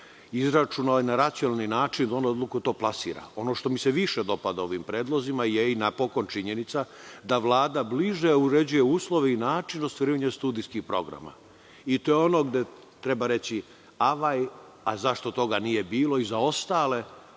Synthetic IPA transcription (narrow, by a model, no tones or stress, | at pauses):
izɾat͡ʃunalinaɾat̪sijonalninaːt͡ʃind̪aond̪od̪lukut̪o̞ːplˠasḭːɾa̰o̞no̞ʃt̪o̞miseʋiʃed̪o̞pad̪ao̞ʋimpɾeːd̪lˠo̞zimajeinapo̞ko̞nt͡ʃiɲenit̪sa | d̪aʋlˠaːd̪abliʒeuɾe̞d͡ʑuje̞uːslˠo̞ʋeinaːt͡ʃinost̪ʋaɾiːʋaɲest̪uːd̪iskixpɾo̞̰ɡɾa̰ma̰ | it̪o̞jeono̞ɡd̪e̞ | t̪ɾebaɾe̞t͡ɕi | aʋaj | azaʃt̪o̞t̪o̞ɡanije̞biːlo̞izao̞st̪aːle̞